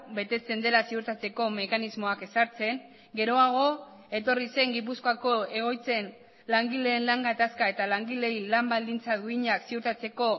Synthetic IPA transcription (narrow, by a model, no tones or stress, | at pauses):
be̞t̪e̞t͡se̞nd̪e̞lasiuɾt̪at͡se̞ko̞me̞kanizmo̞ake̞saɾt͡se̞ŋ | ɡe̞ɾo̞aɣ̞o̞ | e̞t̪o̞rise̞ŋɡip̬uskoako̞e̞ɣ̞o̞jt͡se̞n | laŋɡile̞ːnlaŋɡat̪askae̞t̪alaŋɡile̞ilambald̪int͡saðuiɲaksiuɾt̪at͡se̞ko̞